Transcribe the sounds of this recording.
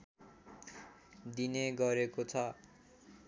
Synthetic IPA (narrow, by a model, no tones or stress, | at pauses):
d̪ineɡʌɾekot͡sʰʌ